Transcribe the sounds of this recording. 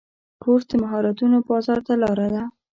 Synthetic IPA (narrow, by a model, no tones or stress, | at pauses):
kʰoɾd̪əmaɦɑɾat̪unobɑzɑɾt̪alɑɾad̪a